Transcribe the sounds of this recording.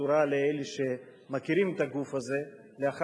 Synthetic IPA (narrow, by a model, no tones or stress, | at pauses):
uɾaleeleʃemakiɾimet̪aɡufaze̞ | leaχ